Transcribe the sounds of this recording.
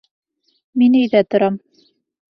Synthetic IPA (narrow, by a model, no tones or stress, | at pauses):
minɘ̆jðæt̪ŏɾɑm